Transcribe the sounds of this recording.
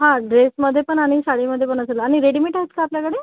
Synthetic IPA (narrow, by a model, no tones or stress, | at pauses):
ɦãɖɾesməd̪ʱːjepəɳaɽ̃isaɽiməd̪ʱjepəɳ̃əsəlːɽ̃iɾeɽimiʈaskaapljakəɽe